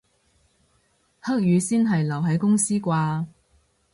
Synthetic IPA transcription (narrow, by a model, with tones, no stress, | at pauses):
hɐ˥k̚jyː˨˧siː˥nɦɐ˨jlɐ˨˩wɦɐ˨˥jkʊ˥ŋsiː˥kʷaː˧